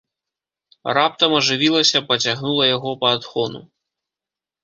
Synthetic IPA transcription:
rap̚t̪ɐmɐʐɨvʲilˠɐsʲɐpɐt͡sʲaɣnulˠɐjaɣɔpɐːd̪xɔnṵ

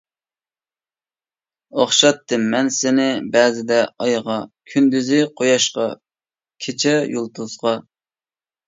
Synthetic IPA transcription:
oχʃɑt̪ʰːɨmːɛnsɪnɪbɛːzɪd̪ɛɑjʁɑkʲʰynd̪yzɪqʰojɑʃqɑ | kʲʰet͡ʃʰɛjolˠt̪uzʁɑ

